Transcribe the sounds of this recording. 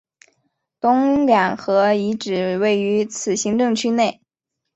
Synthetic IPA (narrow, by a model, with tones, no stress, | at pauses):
t̪ʊ˥ŋljɑ˨˩ŋxɤ˧˥i˧˥ʈ͡ʂɻ̩˨˩we˥˩ɪy˧˥t͡sʰɹ̩˨˩ɕi˧˥ŋʈ͡ʂɤ˥˧ŋt͡ɕʰy˥ne˥˩ɪ